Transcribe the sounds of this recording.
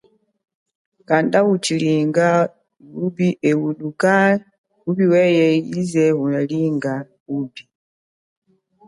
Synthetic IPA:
kandawut͡ʃiliŋɡa | ubiʔɛwuɗuka | upiwɛjɛizɛunaliŋɡa | uːbi

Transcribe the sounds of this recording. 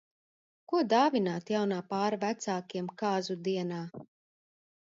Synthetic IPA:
kuɔd̪aːvinaːt̪jawnaːpaːɾavæt̪saːkiɛmkaːzud̪iɛnaː

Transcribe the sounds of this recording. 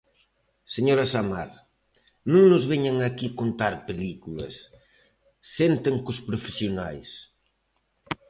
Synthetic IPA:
seɲoɾɐsamaɾ | nũŋnʊzβeɲaŋakikont̪aɾpelikulɐ̰sː | ent̪ɪŋkʊspɾofesjonajs

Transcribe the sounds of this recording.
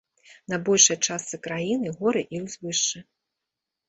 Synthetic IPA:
nɐbɔlʲʂɐjt͡ʂast̪sɨkɾajinɨɣɔɾɨʔizvɨʂɨ

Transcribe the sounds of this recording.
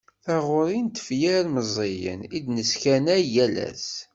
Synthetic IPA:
θaʁʊɾint̪ə̥fjæɾməzˤejə̰nid̪nəskænæjælæ̰s

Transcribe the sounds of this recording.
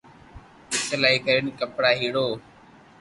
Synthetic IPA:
ɪt͡ʃəlaːiːkəɾənkəpɽaːɦiːɽoː

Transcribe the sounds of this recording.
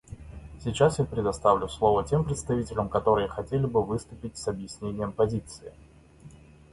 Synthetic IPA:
sʲɪt͡ɕasjapɾʲɪd̪ɐst̪avlʲʊslˠo̞vətʲe̞mpɾʲɪt̪st̪ɐvʲitʲɪlʲəmkɐt̪o̞ɾɨjəxɐtʲelʲɪbɨvɨst̪ʊpʲɪtʲsɐbjɪsʲnʲenʲɪjəmpɐzʲit̪sɨɪ

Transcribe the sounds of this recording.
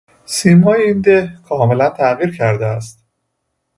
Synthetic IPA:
siːmɒːjeind̪ehkʰɒːme̞lænt̪ʰæɣiːɾcʰæɾd̪eæst̪

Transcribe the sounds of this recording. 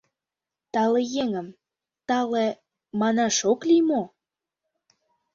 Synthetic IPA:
t̪ɑlejeŋə̆m | t̪ɑle | mɑnɑʃoklimo

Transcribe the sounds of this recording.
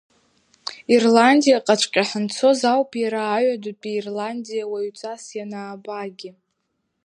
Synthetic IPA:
irlandijaqʼat͡ʃʷʼkʲʼaħənt͡sʰo̞zawpʰʼjaɾaːɥadupʼiːrlandijawaɥt͡sʼasjanaːbaɡʲɪ

